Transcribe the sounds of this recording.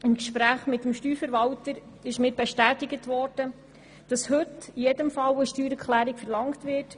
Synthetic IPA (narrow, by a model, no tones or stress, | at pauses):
ɪmkʃpɾæːχmɪt̪ːəmʃtyːɾfəɾʋɑwtəɾ | ɪʃmɪːɾbeʃtæːtɪɡətʋɔɾd̥ə | d̥ɑshɵtijɛdəmfɑwəʃtyːɾəkʰχlæːɾikfɛɾlɑŋktʋɪːrt